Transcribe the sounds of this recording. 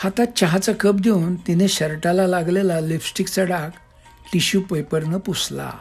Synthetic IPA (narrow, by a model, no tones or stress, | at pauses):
hat̪at͡ɕaɦat͡sakəp̚d̪ʱeunt̪ineɕəɾʈalalaɡlelalibsʈikt͡səɽak | ʈiɕupəjpəɾnəpusla̰